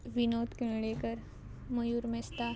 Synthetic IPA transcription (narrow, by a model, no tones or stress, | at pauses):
ʋinoːt̪keɭekəɾ | mɐjuɾmest̪a